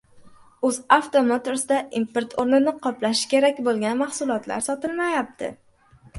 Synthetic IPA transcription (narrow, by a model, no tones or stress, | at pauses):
ɵzaft̪omot̪ʰoɾsɪd̪aʔimpeɾt̪ʰoɾnɪnɪqʰɒplaʃkʲʰe̞ɾakʲbolˠɡʲanmahsʊlˠɒt̪la̰ɾsɒt̪ɪlˠmajap̚t̪ʰɪ̰